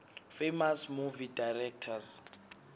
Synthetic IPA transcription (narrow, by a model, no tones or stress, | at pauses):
femasmuvidajrɛk̚tʰaz